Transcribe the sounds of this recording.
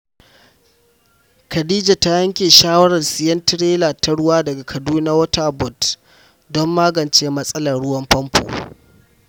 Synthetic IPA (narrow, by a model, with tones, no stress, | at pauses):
kɐ˨diː˦d͡ʒa˨ta˦jɐ˦ŋkʲeː˨ʃaː˦wɐ˦ɽɐ˨rsɪ˦jɐ˦ntɪ˦ɽeː˦la˨tɐ˦ɽʊ˦waː˦dɐ˨ɡa˨kʰɐ˨duː˦na˦wɐ˦taː˦bɔ˨t | dɔ˦mːaː˦ɡɐ˨nt͡ʃeː˦mɐ˦sʼɐ˦lɐ˨rɽʊ˦wɐ˦mɸɐ˦mpʰo̰ː˨